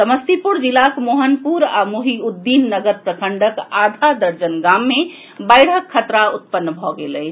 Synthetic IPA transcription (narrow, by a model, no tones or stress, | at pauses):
səməst̪ipuɾd͡ʒilakmoɦənpuɾa̰moɦiud̪ːinːəɡəɾpɾəkʰəɳɖəkad̪ʱad̪əɾd͡ʒənɡamːe | bajɽ̤əkʰːət̪ɾaut̪̚pənːbʱɔɡelə